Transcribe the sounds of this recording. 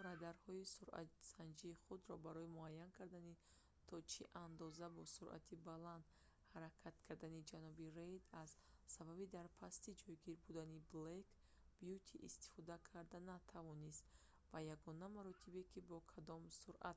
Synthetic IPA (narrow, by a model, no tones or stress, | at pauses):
ɾad̪aɾhɔisuɾa̰t̪sand͡ʒiːχud̪ɾɔbaɾɔimuajːankʰaɾd̪ani | t̪ʰɔt͡ʃʰiʔand̪ɔzabɔsuɾʔa̰t̪ʰibaland̪ | haɾakʰat̪kʰaɾd̪anid͡ʒanɔbiɾe̞jd̪azsababid̪aɾpʰast̪id͡ʒɔjɡiɾbud̪aniblek | b̥jut̪ʰiʔist̪i̥fɔd̪akʰaɾd̪anat̪ʰavɔnist̪ | vajaɡɔnamaɾɔt̪ʰibekʰibɔkʰad̪ɔmsuɾʔa̰t̪